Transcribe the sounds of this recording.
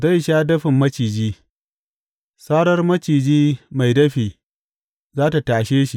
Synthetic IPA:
za˦˨jʃaː˦dɐ˦ɸɪ˨mːɐ˦t͡ʃiː˨d͡ʒiː˦ | saː˦ɽɐ˦rmɐ˦t͡ʃiː˨d͡ʒiː˦ma˨jdɐ˦ɸiː˨ | zaː˦ta˨taː˨ʃeː˦ʃi˨

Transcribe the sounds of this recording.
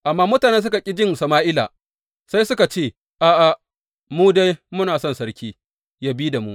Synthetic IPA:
ʔa˨mːaː˦mʊ˦taː˨nɛ˦s̬ʊ˦ka˨kʲʼɪ˦d͡ʒɪ˦˨nsɐ˨maː˦ʔɪ˦la̰˨ | sa˦jsʊ˦ka˨t͡ʃeː˦˨ | ʔa˨ʔa˨ | muː˦da˦jmʊ˦naː˨sɔ˦˨nsɐ˦ɽkʲiː˦ | jaː˦biː˦da˨mu˦

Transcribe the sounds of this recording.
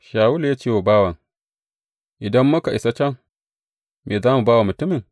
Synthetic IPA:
ʃaː˨wʊ˦ljaː˦t͡ʃeː˦wa˨baː˦wa˨ŋ | ʔɪ˨dɐ˦mːʊ˦ka˨ʔɪ˨sa˦t͡ʃɐ˦ŋ | meː˨zaː˦mu˨baː˦wa˨mʊ˨tʊ˦mɪ˨ŋ

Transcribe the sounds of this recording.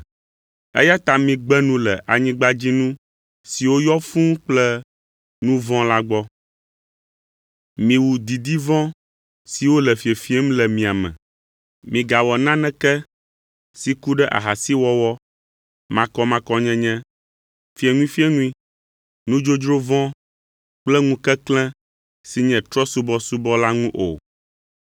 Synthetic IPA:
ɛ̰˦ja˦t̪a˨mĩ˨ɡ͡bɛ˦nũ˦lɛ̰˨ʔa˨ɲĩ˦ɡ͡ba˦d͡ʑi˦nũ˦ | si˨wo˦jɔ˦fũ˦k͡plɛ˦ | nũ˦vɔ̃˦la˦ɡ͡bɔ˦ | mĩ˨wu˨d̪i˨d̪i˦vɔ̃˦ | si˨wo˦lɛ˨fi˨e˨fi˦e˦m̩˦lɛ˨mĩ˨a˨mɛ̰̃˨ | mĩ˨ɡa˨wɔ˨nã˦nɛ̃˦kɛ˦ | si˨ku˦ɖɛ˦ʔa̰˨ɦa˨si˦wɔ˦wɔ˦ | mã˨kɔ˦mã˦kɔ˦ɲɛ̃˦ɲɛ̃˦ | fi˨e˨ŋũ˦i˦fi˦ɛ˦nũ˦ĩ˦ | nũ˦d͡ʒo˦d͡ʒɾo˦vɔ̃˦ | k͡plɛ˦ŋũ˦kɛ˦klɛ̃˦ | si˨ɲɛ̃˨t̪ɾɔ˦su˦bɔ˦su˦bɔ˦la˦ŋũ˦ʔo̰˨

